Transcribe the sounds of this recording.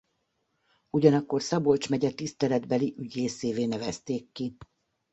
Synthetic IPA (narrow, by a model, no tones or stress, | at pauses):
uɟɒnɒkːo̞rsɒbo̞lt͡ʃmɛɟɛt̪ist̪ɛlɛd̪bɛliʔyɟeːseːveːnɛvɛst̪eːkːi